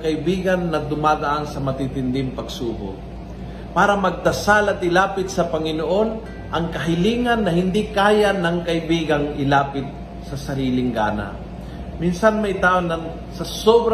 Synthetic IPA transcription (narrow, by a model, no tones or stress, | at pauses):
kɐʔɪbiːɡɐnːɐd̪ʊmaːd̪ɐʔansɐmɐt̪it̪ɪnd̪ɪmpɐɡsuːbo̰ | paːɾɐmɐɡ̚d̪ɐsalɐt̪ɪlaːpɪt̪̚sɐpɐŋɪnoʔo̞n | ʔɐŋkɐɦɪliːŋɐnːɐhɪnd̪ikaːjanɐŋkɐʔɪbiːɡɐŋɪlaːpɪt̪̚ | sɐsɐɾiːlɪŋɡa̰ːna̰ | minsanmɐjt̪aːʔonɐŋ | sɐsobɾ